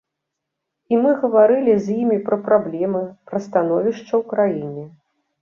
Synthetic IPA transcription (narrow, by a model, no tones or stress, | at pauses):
imɨɣɐvaɾɨlʲizʲjimʲipɾɐpɾablʲɛmɨpɾɐst̪anɔvʲiʂt͡ʂːɐwkɾajinʲɛ